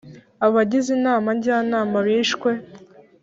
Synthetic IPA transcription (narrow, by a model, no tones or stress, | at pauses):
aβaɟizinaːmaɲɟaːnaːmaβiːʃkwe̞